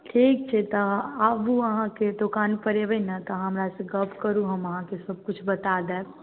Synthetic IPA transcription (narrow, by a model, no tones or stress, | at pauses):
ʈʰiːk̚t͡ʃʰet̪oapuɐɦãked̪ʊkaːnpəɾeʋənat̪ɐɦɐmɾaseɡɐbkəɾuɦɐmɐɦãkesɐb̚kʊt͡ʃʰbɐt̪aːd̪eː